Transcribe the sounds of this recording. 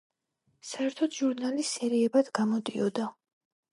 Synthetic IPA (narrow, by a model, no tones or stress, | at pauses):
saɛɾt̪ʰɔt̪ʒuɾnalisɛɾiɛbad̪̥ɡamɔd̪ʼiɔd̪a